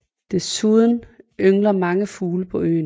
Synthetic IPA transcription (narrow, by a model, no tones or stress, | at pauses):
d̥e̝suð̞ˠn̩øŋlɐmɑ̈ŋəfuːləpʰɒ̽ø̰ːn